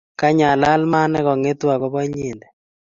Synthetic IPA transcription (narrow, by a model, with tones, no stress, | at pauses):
ka˦ɲa˨la˦lma˦nɛ˦kɔ˨ŋe˦t̪wa˨kɔ˦ba˦ɲi˨nd̪ɛ˨